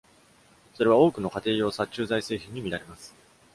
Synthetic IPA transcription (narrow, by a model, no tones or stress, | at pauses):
so̞ɾe̞βao̞ːkɯ̟no̞kat̪e̞ːjo̞ːsat͡ɕɨːzaise̞ːçĩɲ̟ːimʲiɾaɾe̞masɨ̥